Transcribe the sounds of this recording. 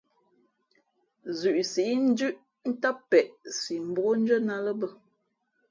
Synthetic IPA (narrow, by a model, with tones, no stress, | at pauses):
zʉ˨ʔsi˨i˦n̩˦d͡ʒʉ˦ʔ | n̩˦ta˦pːɛ˨ʔsi˨m̩˨bo˦ɣo˦n̩˦d͡ʒə˦na˦lə˦bə˦